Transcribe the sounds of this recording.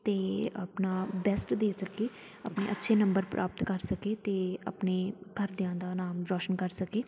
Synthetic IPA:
t̪eːə̰pnaːbɛːsʈd̪eːsəkeː | aːpnḛːʔətːʃʰeːnə̃mbəɾpɾʔa̰ːpət̪kəɾsəkeːt̪eːə̰pneːkəɾd̪ɪãːd̪aːnaːmɾɔːʃənkəɾsəkeː

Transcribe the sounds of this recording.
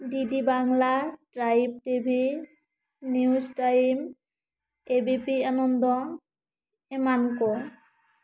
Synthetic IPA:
ɖiɖibaŋlaʈɾajb̚ʈibʱi | niusʈaim | ebipianond̪ɔ | emanko

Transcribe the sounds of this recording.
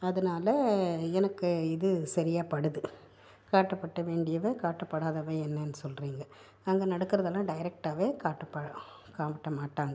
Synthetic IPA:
ɐðɐnaːlɐɛnɐkːɯɪðɯsɐɾɪjaːpɐɽɯðɯ | kaːʈːɐpːɐʈːɐʋeːɳɖɪjɐʋeːkaːʈːɐpːɐɽaːðɐʋeːɛnːɐnːɯsɔlɾiːŋɡɐ | ɐŋɡɐnɐɽɐkːɯɾɐðɐlãːɖɐɪɾɛk̚ʈaːʋeːkaːʈːɐpːɐɽɐ̃ | kaːʋɪʈːɐmaːʈːaːŋɡɐ

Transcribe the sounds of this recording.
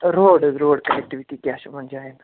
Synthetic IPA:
ɾoːɽɾoːɽkənek̚ʈiʋiʈiːkaʃm̤əɳd͡ʒeaen

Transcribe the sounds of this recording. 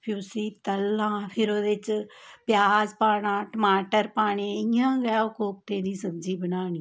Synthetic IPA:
pʰʊsiːt̪əlːãːpʰɪɾoːd̪eɪt͡ʃpjaːzpaːɽ̃ãːʈəmaːʈəɾpaːɳ̃eːɪãːɡɛaːʊkoːp̚t̪eːd̪iːsəbd͡ʒiːbənaːɳ̃iː

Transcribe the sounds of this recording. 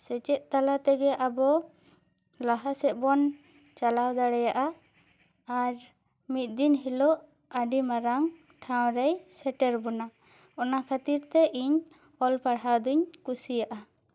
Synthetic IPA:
sɛt͡ʃɛt̪̚ˀt̪alat̪ɛɡɛʔabɔ | laɦasɛʔ̪̚ˀbɔn | t͡ʃalawd̪aɽɛjaʔa | aɾ | mit̪̚d̪inɦilɔʔ | aɖimaɾaŋ | ʈʰaw̃ɾɛjsɛʈɛɾbɔna | ɔnakʰat̪iɾt̪ɛʔiɲ | ɔlpaɽɦawd̪uɲkusijaʔa

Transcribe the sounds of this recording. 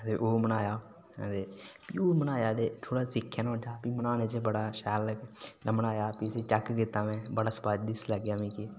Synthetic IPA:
t̪eːʔoːmənaːjaː | d̪eːpiːoːmənaːjaːd̪eːt̪ʰoːɽaːsɪkʰːjaːnːəʈʰːaːpiːmənãːnẽt͡ʃebəɽaːʃɛːlːəɡamənaːjaːpiɪseːt͡ʃəkkɪt̪aːmɛ̃ːbəɽaːspaːd͡ʒd̪ɪsləɡjaːmĩːki

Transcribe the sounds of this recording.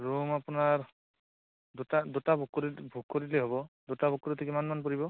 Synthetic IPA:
ɹumapunaɹ | dutad̪utabʱukːɾibʱukkːoɹileɦobɔdutabʱukːoɾitʰikimanmanpɔɹibɔ

